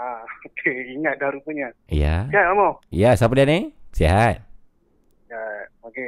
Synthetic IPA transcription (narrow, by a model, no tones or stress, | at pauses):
aokʰeiŋat̪̚daɾupəɲa | ja̰siaamojasapadianesiɦat̪̚ | jaoke